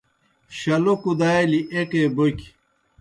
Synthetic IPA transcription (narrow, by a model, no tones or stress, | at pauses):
ɕɐlokud̪aːeliʔeʈebok